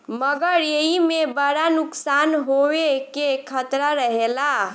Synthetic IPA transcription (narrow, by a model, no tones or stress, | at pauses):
məɡəɾjeimebəɽanuksanɦowekekʰət̪ɾaɾəɦela